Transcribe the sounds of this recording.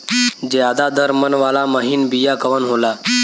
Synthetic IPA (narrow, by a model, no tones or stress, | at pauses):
d͡ʑead̪ad̪əɾmənʋalaməɦiːnbijakəʋənɦola